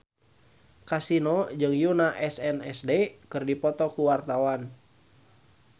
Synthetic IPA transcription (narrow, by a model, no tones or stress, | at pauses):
kasinɔd͡ʒɨŋjunaʔɛsɛnɛsdeɛkɨrdipɔt̪ɔkuwart̪awan